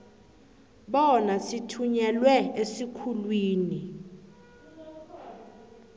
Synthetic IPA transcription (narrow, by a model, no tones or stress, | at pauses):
ɓɔnasitʰuɲɛlwɛesikʰulwiːni